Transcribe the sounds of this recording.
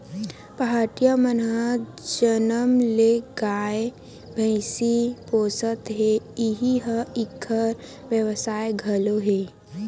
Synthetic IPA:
pəɦaːʈijamənɦəd͡ʒənəmleɡaːe | bʱə̃ɪsipoːsət̪ɦeɪɦiɦəɪkʰːəɾ | ʋjəʋsaːeɡʱəloɦeː

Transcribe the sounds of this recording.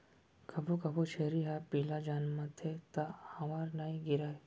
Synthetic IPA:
kʰɐbʱukɐbot͡ʃʰeːɾiɦapiːlad͡ʒaːnmat̪ʰet̪ahɐmaːɾnaːĩɡɪɾaːe

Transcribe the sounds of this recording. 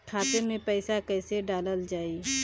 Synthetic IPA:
kʰaːt̪emẽpɛɪsakɛːseɖaːləld͡ʒaːi

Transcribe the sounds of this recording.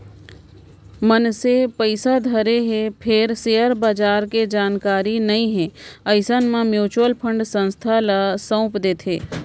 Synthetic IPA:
mənsepəɪsad̪ʱəɾeɦepʰɪɾseːəɾbaːd͡ʒaːɾked͡ʒaːnkaːɾinɐɦĩɦɛ̃ːəɪsənmãmjuːt͡ʃwəlpʰə̃ɳɖsə̃nst̪ʰalasə̃ʊpd̪eːt̪ʰḛː

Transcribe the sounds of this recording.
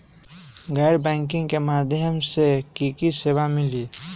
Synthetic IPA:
ɡəɪɾbɛ̃ːŋkɪ̃ŋɡkemaːd̪ʱjəmsekiːkiseːʋamɪli

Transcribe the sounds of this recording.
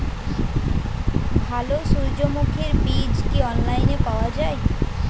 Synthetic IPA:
bʱalosuɾd͡ʑomukʰeɾbid͡ʑkiɔnlajnepaoad͡ʑae

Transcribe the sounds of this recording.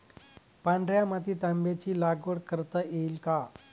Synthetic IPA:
pãɳɖɾjamat̪iːt̪ãmbjat͡ɕiːlaɡʋəɽkəɾt̪əʔeilka

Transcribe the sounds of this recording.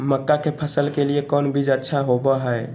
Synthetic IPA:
məkːakepʰəsəlkeliekɔnbʱid͡ʒətːʃʰaɦobəɦəe

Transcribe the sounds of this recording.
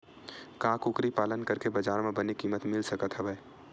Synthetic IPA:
kãkukɾipaːlənkəɾkebəd͡ʒaːɾmẽbənikiːmət̪mɪlsəkət̪ɦəbɛː

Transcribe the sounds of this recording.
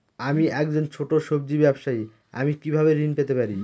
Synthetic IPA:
amiʔɛk̚d͡ʑont͡ɕʰoʈoʃobd͡ʑibɛbʃai | a̰mikibʱaβeɾinpet̪epaɾi

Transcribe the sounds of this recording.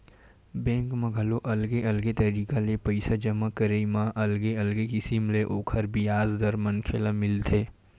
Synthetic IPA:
bẽːŋkmãɡʱɐloʔɐlɡeɐlɡet̪ɐɾiːkalepəɪsad͡ʒɐmakəɾeimãʔɐlɡeɐlɡekɪsimleʔoːkʰəɾbiaːzd̪ɐɾmɐnkʰelamɪlt̪ʰeː

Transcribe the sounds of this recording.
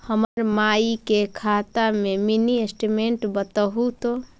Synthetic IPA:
həməɾmaikekʰat̪ameminiesʈimeɳʈbət̪əɦut̪o

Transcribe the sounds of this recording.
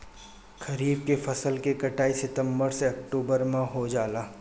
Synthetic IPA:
kɐɾiːb̚kefɐsəlkekɐʈaːisɪt̪ə̃mbəɾseɐk̚ʈuːbəɾmẽɦod͡ʒaːlaː

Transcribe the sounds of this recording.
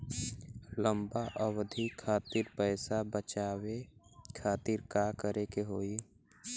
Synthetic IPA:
lə̃mbaʔəwd̪ʱikʰːaːt̪iɾpɛːsabət͡ʃaːwekʰaːt̪iɾkaːkəɾekeɦoːi

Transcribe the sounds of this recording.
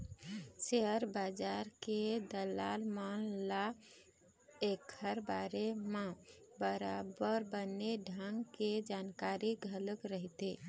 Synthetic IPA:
seɦəɾbad͡ʒaɾked̪əlalmanla | ekʰəɾbaɾema | bəɾabəɾbənːeɖʱəŋɡked͡ʒankaɾiɡʱələkɾəɦt̪e

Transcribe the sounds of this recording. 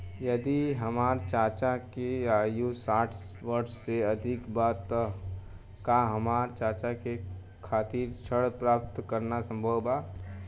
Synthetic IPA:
jɐd̪iɦəmaːɾt͡ʃaːt͡ʃakeaːjusaːʈʰʋəɾsseəd̪ʱɪkbaːt̪ːə | kaɦəmaːɾt͡ʃaːt͡ʃake | kʰaːt̪iːɾt͡ʃʰəɽpɾaːp̚t̪kəɾnasə̃mbʱəba

